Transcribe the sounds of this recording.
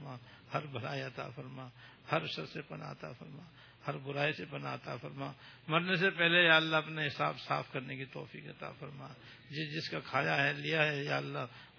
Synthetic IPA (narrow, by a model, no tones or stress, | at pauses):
maː | hɐɾbɐɽa̰ːiɐt̪a̰fɐɾma | hɐɾʃɐɾsepɐna̰ɐt̪a̰fɐɾmaː | hɐɾbʊɾaːisepɐna̰ːt̪a̰fɐɾmaːmɐɾnesepɛɦlejaːəlːaɐpneɦɪsa̰ːpsa̰ːfʰkɐɾnekit̪ɔ̰ːfḭːkɐt̪a̰fɐɾma | d͡ʒɪd͡ʒɪskakʰaːjaɦɛlijaɦɛjaːlːaː